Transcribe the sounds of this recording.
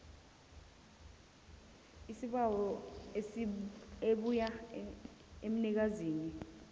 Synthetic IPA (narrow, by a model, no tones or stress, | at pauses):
isiɓawɔesieɓuja | em̩nik̬aziːni